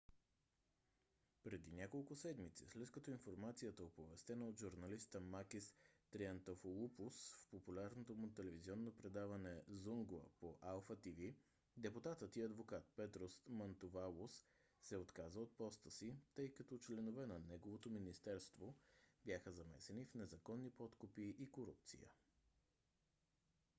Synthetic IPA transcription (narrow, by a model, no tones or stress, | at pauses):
pɾɛd̪inʲjakolˠkʊsɛd̪mit̪sḭslɛt̪kɐt̪oinfoɾmat̪sijət̪əopovɛst̪ɛnəod̪ʒuɾnɐlist̪əmakist̪ɾiɐnt̪ofolˠupʊsfpopulʲaɾnot̪omʊt̪ɛlɛviziɔnːopɾɛd̪avɐnɛzuŋɡlˠə̰poʔalˠfət̪ivi | d̪ɛput̪at̪ət̪iɐd̪vokat̪̚pɛt̪ɾosmɐnt̪ovalˠosː | ɛot̪kazəot̪̚pɔst̪əsit̪ɤjkət̪ot͡ʃlɛnovɛnɐnɛɡovot̪ominist̪ɛɾst̪vobjaxəzɐmɛ̰sɛnifnɛzɐkɔnːipɔt̪kʊpiʔikoɾṵp̚t̪sḭjə̰